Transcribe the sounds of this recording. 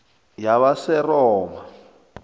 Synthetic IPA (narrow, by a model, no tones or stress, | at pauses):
jaβasɛrɔːma